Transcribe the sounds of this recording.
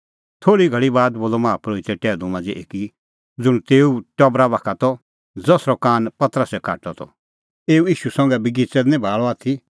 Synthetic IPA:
t̪ʰoːɽiɡʱɐɭibaːd̪boːlɔmãːpɾoːit̪ɛʈɛːlũmãnd͡ziʔḛːki | d͡zʊɽ̃t̪eːuʈɔbɾabaːkʰat̪ʰɔ | d͡zɐsɾɔkaːnpɐt̪ɾəsɛkʰa̰ːʈɔt̪ʰɔ̰ | eːuiːʃusɐ̃ŋɡɛbiɡit͡sɛd̪nɛ̃bʱaːɭɔaːt̪ʰi

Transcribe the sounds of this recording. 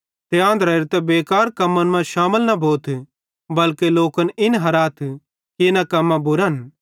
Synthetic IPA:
t̪eãːnd̪ɾɐɪɾt̪ɛbeːkaːɾkɐmːənmãʃaːməlnɐbʱoːt̪ʰ | bɐlkeloːkənɪnɦɐɾaːt̪ʰ | kenakɐmːãbʊɾn

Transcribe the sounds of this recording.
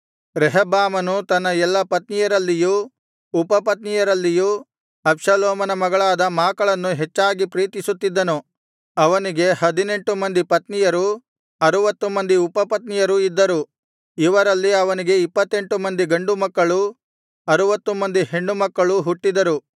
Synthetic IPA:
ɾɛɦɐbaːmɐnut̪ɐnːɐɛlːɐpɐt̪nijɐɾɐlːijuː | pɐpɐt̪nijɐɾɐlːiju | ɐpʂɐloːmɐnɐmɐɡɐɭaːd̪ɐmaːkɐɭɐnːuɦet͡ʃːaːɡipɾiːt̪isut̪ːid̪ːɐnu | ɐʋɐniɡe̞hɐd̪ine̞ɳʈumɐnd̪ipɐt̪nijɐɾu | ɐɾuʋɐt̪ːumɐnd̪iupɐpɐt̪nijɐɾuid̪ːɐɾu | iʋɐɾɐlːiɐʋɐniɡe̞ipːɐt̪ːe̞ɳʈumɐnd̪iɡɐɳɖumɐkːɐɭu | ɐɾuʋɐt̪ːumɐnd̪ihe̞ɳɖumɐkːɐɭuɦuʈːid̪ɐɾu

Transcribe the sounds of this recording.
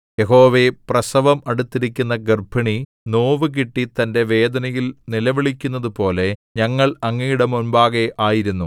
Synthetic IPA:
je̞ɦo̞ːʋe̞prɐsɐʋɐmɐɽut̪ːiɾik̬ʲːunːɐɡɐrbʱɐɳi | no̞ːʋɨk̬iʈːit̪ɐnde̞ʋe̞ːd̪ɐnɐjilnilɐʋiɭikʲːunːɐðupo̞ːle̞ɲɐŋːɐɭɐŋːiːɽɐmunbaːɣeʔaːjiɾunːu

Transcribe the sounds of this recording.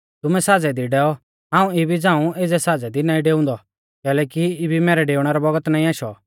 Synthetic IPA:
t̪ʊmɛ̃saːd͡zɛd̪iɖɛːɔ | ɦãːũebid͡zãːũeːd͡zɛsaːd͡zɛd̪inaːĩɖeːʊ̃ːnd̪ɔ | kɛːlɛːkiɪbʱimɛːɾɛɖeːʊɽ̃ɛɾɔbɐɡət̪naːĩaːʃɔ̰

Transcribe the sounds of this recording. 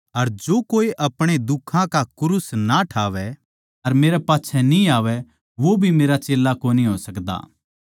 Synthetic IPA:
ɐɾd͡ʒoːkoːiʔɐpɽ̃ed̪ʊkʰːãkakʊɾʊsnaʈʰaːʋɛ | ɐɾmeːɾɛpaːtːʃʰɛnĩaːʋɛ | ʋobʱimeːɾat͡ʃeːlːakoːniɦoːsɐkd̪a̰ː

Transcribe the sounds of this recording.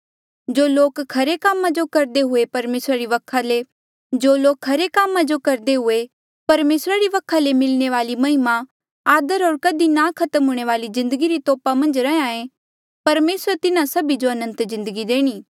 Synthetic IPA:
d͡ʒoːloːkkʰːɐɾekaːmːãd͡ʒokɐɾd̪eɦʊepɐɾmeːsɾaɾiʋɐkʰːale | d͡ʒoːloːkʰːɐɾekaːmãd͡ʒokɐɾd̪eɦʊe | pɐɾmeːsɾaɾiʋɐkʰːalemɪlneʋaːlimɐɦɪma | aːd̪əɾɦoːɾkɐd̪inakʰɐt̪əmɦʊɽ̃eʋaːlizɪ̃nd̪əɡiɾit̪ɔːpamɐ̃nd͡ʒɾɐãːẽ | pɐɾmeːsɾət̪ɪnãsɐbid͡ʒoɐnə̃nt̪zɪ̃nd̪əɡid̪eːɽ̃iː

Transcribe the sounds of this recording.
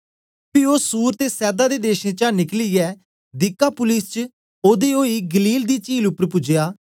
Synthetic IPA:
pioːsuːɾt̪eːsɛːd̪aːd̪eːd̪eːʃẽːt͡ʃãːnɪkliːɛː | d̪ɪkːaːpʊlɪst͡ʃ | oːd̪eːoːiːɡəliːld̪iːt͡ʃiːlʊpəɾpʊd͡ʒɪjaː

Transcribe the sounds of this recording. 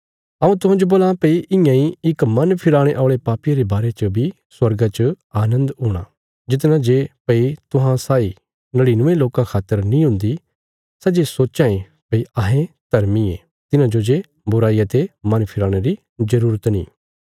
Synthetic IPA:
ɐũt̪ʊɦãd͡ʒoboːlãpɐiʔɪ̃jãiɪkmɐnpʰɪɾaːɽ̃eʔɔːɭepaːpijaɾebaːɾet͡ʃəbʱi | swɐɾɡat͡ʃə | aːnə̃nd̪ɦuːɽ̃a̰ | d͡ʒɪt̪̬nãd͡ʒepɐit̪ʊɦãsaːi | nɐɽinʊ̃ʋẽloːkãkʰaːt̪ːəɾnĩɦʊ̃nd̪i | sɛd͡ʒesoːt͡ʃãːẽ | pɐiaɦẽt̪ɐɾmie | t̪ɪnãd͡ʒod͡ʒe | bʊɾaːiɐt̪emɐnpʰɪɾaːɽ̃eɾi | zɐɾuːɾət̪nḭ̃ː

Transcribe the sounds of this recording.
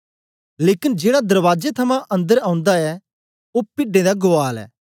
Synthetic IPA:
leːkɪnd͡ʒeːɽad̪ɐɾʋaːd͡ʒet̪ʰɐmãʔɐ̃nd̪əɾãːʊ̃nd̪aɛː | oːpɪɖːẽd̪aɡʊaːlɛ̰ː

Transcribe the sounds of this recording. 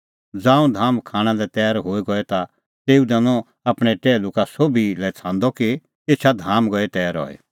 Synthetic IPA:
d͡zãːũd̪ʱaːmkʰaːɽ̃ãlɛt̪ɛːɾɦoːiɡɔɛt̪a | t̪eːud̪ɐ̃nɔ̃ | ɐpɽ̃ɛʈɛːluːkasobʱilɛt͡sʰãːnd̪ɔki | eːt͡ʃʰad̪ʱaːmɡɔɛt̪ɛːɾɔ̰ːɛ̰

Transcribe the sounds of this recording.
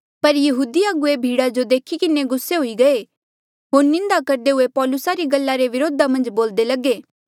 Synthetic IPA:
pɐɾjɐɦuːd̪iaɡʊebʱiːɽad͡ʒod̪eːkʰikɪneɡʊsːeɦoiɡɐe | ɦoːɾnɪ̃nd̪akɐɾd̪eɦʊepɔːlʊsaɾiɡɐlːaɾeʋɪɾoːd̪amɐ̃nd͡ʒboːld̪elɐɡeː

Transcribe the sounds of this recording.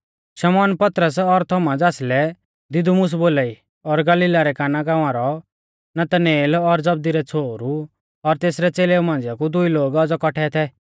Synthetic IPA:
ʃɐmɔːnpɐt̪ɾəs̬ɔɾt̪ʰɔmad͡zaːslɛ | d̪ɪd̪umʊs̬boːlaːi | ɔɾɡɐliːlaɾɛkaːnaɡaːʋ̃aːɾɔ | nɐt̪əneːlɔɾd͡zɐb̚d̪iɾɛt͡sʰoːɾu | ɔɾt̪eːsɾɛt͡seːleumãːnd͡zjakud̪ʊiloːɡɐd͡zɔkɔʈʰɛt̪ʰɛ

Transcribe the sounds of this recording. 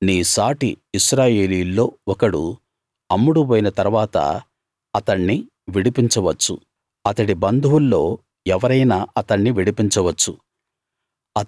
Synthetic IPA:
niːsaːʈiːʃɾaːje̞ːliːulːo̞ːɔkɐɽṵ | ɐmːuɽupoːjinɐt̪ɐɾuʋaːt̪ɐ̰ | ɐt̪ɐɳːi | ʋiɽipiɲt͡ʃɐʋɐt͡ʃːṵ | ɐt̪ɐɽibɐnd̪ʱuwulːo̞ː | ɛʋɐɾɐjnaːʔɐt̪ɐɳːiʋiɽipiɲt͡ʃɐʋɐt͡ʃːu | ɐ

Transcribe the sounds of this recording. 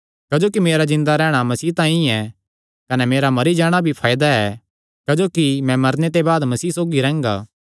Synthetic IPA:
kɐd͡ʒoːkimeːɾazɪ̃nd̪aɾɛːɽ̃amɐsiːt̪ãːĩɛ | kɐnɛmeːɾamɐɾid͡ʒaːɽ̃abʱipʰaːjd̪aɛ | kɐd͡ʒoːkimɛ̃mɐɾnet̪̬ebaːd̪mɐsiːsoːɡiɾɛ̃ːŋɡa̰ː

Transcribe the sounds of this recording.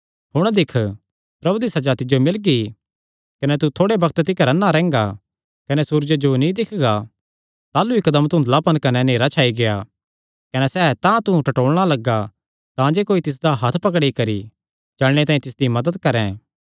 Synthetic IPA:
hʊɽ̃d̪ɪkʰ | pɾɐbud̪isɐd͡ʒaːt̪ɪd͡ʒjomɪlɡi | kɐnɛt̪ut̪ʰoːɽebɐkʰt̪t̪ɪkɐɾɐnːaɾɛ̃ːŋɡa | kɐnɛsuːɾd͡ʒad͡ʒonĩd̪ɪkʰɡa | t̪aːluikːɐd̪əmt̪ʊ̃nd̪əlapɐnkɐnɛneːɾat͡ʃʰaːiɡeja | kɐnɛsɛːt̪ãt̪ʊ̃ʈɐʈoːɭɽ̃alɐɡa | t̪ãd͡ʒeːkoːit̪ɪs̬d̪aɦɐt̪ʰpɐkɽikɐɾi | d͡ʒɐlɽ̃et̪ãːĩt̪ɪsd̪imɐd̪əd̪kɐɾɛ̃ː

